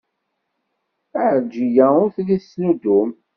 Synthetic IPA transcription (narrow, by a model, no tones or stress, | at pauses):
əʕd͡ʒijæʊɾθliθsnud̪um